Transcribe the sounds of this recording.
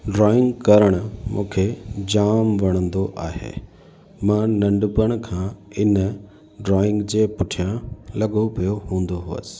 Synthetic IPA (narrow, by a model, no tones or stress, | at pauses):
ɖɾɔːɪ̃ŋɡkɐɾəɽ̃ʊ̆mṵ̃ːkʰed͡ʑaːmʋɐɽ̃ə̃nd̪oʔaːɦḛː | mãːnɐ̃ɳɖʊpəɽ̃kʰãːɪnə | ɖɾɔːɪ̃ŋɡd͡ʑeːpʊʈʰijãlɐɠopijoɦũːnd̪oɦʊʋə̰sɪ̥̆